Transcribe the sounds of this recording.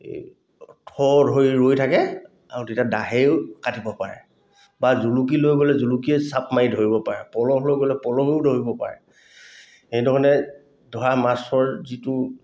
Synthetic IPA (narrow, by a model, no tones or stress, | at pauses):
tʰɔdʱojɹojtʰakɛ | a̰ɹutitadaɦeʊkatibɔpaɹɛ̰ | bazuluk̬ilojɡolɛzulukiɛsap̚ʰmaidʱoɹibɔpaɹɛ̰pɔlɔɦlojɡolɛpɔlɔɦeʊdʱoɹibɔpa̰ɹɛ̰ | xejdɔɹɔnɛ | dʱɔɹamasɔɹzitu